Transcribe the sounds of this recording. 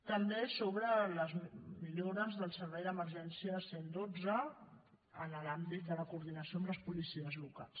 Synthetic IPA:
t̪əmbesoβɾələzmiloɾəzðəlˠsəɾβɛjðəməɾʒɛnsiəsend̪od͡zə | ənəlambit̪̚d̪ələkuɾðinəsiombləspulisiəzluka̰lˠs

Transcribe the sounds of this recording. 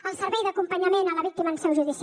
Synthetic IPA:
əlˠsəɾβɛjðakumpəɲamenalaβik̚t̪imansɛwʒuðis

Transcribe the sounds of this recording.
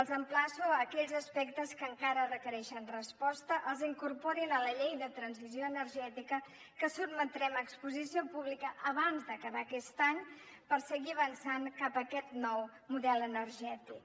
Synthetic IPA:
əlˠzəmplasuəkɛʎzəspɛkt̪əskəŋkaɾərəkəɾɛʃənrəspɔst̪əʔəlˠziŋkurpɔɾinələʎejðət̪ɾənzizjoənəɾʒɛt̪ikə | kəsubmət̪ɾɛməkspuzisiopuβlikəʔəβanzd̪əkəβakɛst̪aɲ | pəɾsəɣiəβənsaŋkapəkɛt̪nɔw | muðɛlənəɾʒɛt̪ik

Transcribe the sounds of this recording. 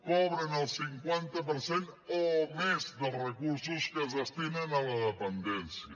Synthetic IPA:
kɔβɾenəlˠsiŋkwant̪apəɾsenomezðəlˠrəkuɾsuskəzðəst̪imenalaðəpənd̪ɛnsja

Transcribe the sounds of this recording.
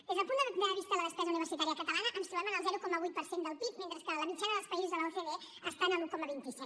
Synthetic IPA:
d̪ezðəlˠpund̪əðəaðəβist̪əðələðəspɾɛzəuniβ̞əɾsit̪aɾiəkət̪əlanəʔənst̪uβɛmənəlˠzɛɾukɔməβ̞ujt̪pəɾsend̪əlˠpip̚ment̪ɾəskələmit͡ʃanəðəlˠspəizuzðələfeðe | əst̪anəlukɔməβint̪isi

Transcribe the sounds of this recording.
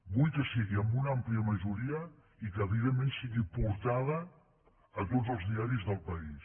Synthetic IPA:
bujkəsiɣiəmbunampliəməʒuɾiə | ikəːβiðemːẽnsiɣipuɾt̪aðɐː | t̪ozəlˠzðiaɾizðəlˠpɐis

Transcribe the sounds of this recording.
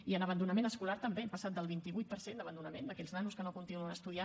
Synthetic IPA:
iənəβ̞ənd̪unəmenəskulaɾt̪əmbepəsat̪̚d̪əlˠβint̪iβujt̪̚pəɾsend̪əβənd̪unəmend̪əkɛʎznanuskənokunt̪inuənəst̪uðia

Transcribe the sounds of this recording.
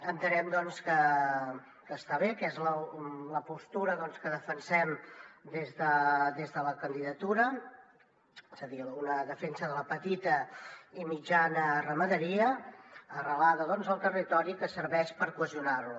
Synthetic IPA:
ənt̪ənɛmd̪ɔnskə | kəst̪aβekɛzlələpust̪uɾəðɔnskəðəfənsɛmd̪ezðəðezðələkənd̪iðət̪uɾə | ez̥əðiunəðəfensəðələpət̪it̪əimid͡ʒanərəməðəɾiəː | rəlaðəðɔnzəlˠt̪ərit̪ɔɾikəsəɾβɛʃpəɾkwəziunarlu

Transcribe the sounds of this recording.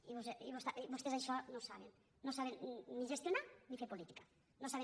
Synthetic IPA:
iβoseiβost̪aʔibosesajʃɔnosaβenː | osaβenːiʒest̪jonaɾnifeɾpolit̪i̥kḁ | nosaβe

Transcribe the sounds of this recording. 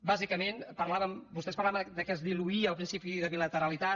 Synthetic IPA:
bazikəmenpəɾlaβəmbust̪ɛspəɾlaβəd̪əkɛzd̪iluiəlˠpɾinsipiðəβilət̪əɾəlit̪a

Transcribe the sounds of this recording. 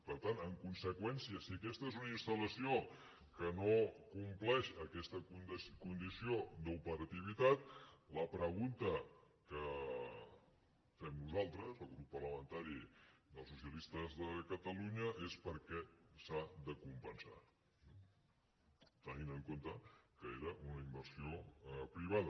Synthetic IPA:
pəɾt̪anəŋkunsəkwɛnsiəsiəkɛst̪əezunəinst̪ələsio | kənokumplɛʃəkɛst̪ənskund̪isiod̪əupəɾət̪iβ̞it̪at̪̚ləpɾəɣ̞unt̪ə | kə | fɛmnuzalˠt̪ɾəzəlˠɣɾupːərləmənt̪aɾid̪əlˠsusiəlist̪əzðəkət̪əluɲəʔespəɾkɛsaðəkumpənsa̰ | t̪əninəŋkont̪əkəeɾəʔunəimbəɾsiopɾiβ̞aðə

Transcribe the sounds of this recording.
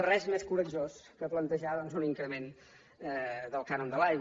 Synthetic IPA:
rɛzmeskuɾəd͡ʒoskəplənt̪əʒaðɔnzuniŋkɾəmen | ɛd̪əlˠkanond̪əlajɣ

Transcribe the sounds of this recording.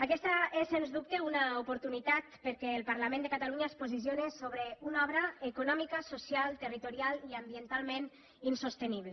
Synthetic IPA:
akɛst̪aesenzðup̚t̪eunaupoɾt̪unit̪at̪pəɾkɛːlˠpaɾlamẽnd̪ekat̪aluɲaspozis̬jonesoβɾeunɔβɾaekunɔmikasosjalˠt̪ərit̪uɾjalˠiambient̪alˠmen | insost̪eniβle

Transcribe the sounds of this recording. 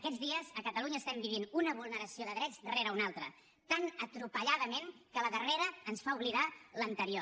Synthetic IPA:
əkɛd͡zðiəzəkət̪əluɲəːst̪ɛmbiβ̞inunəβ̞ulˠnəɾəsioðəðɾɛd͡zðəreɾəunalˠt̪ɾə̰ | t̪anət̪ɾupəʎaðəmenkələðəreɾəːnsfauβliðalənt̪əɾio

